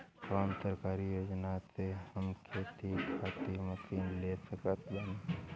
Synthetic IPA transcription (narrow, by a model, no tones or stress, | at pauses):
saːnt̪əɾkaːɾijoːd͡ʒnasehəmkʰeːt̪ikʰaːt̪iməsinlesəkət̪bən